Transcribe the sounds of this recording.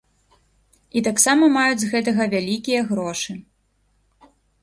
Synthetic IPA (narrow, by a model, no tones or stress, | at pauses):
it̪aksamɐmajud͡zʲzɣɛt̪ɐɣɐvʲalʲikʲijɐɣɾɔʂɨ